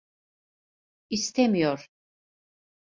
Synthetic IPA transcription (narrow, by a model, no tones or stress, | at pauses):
ist̪ʰɛmijɔɾ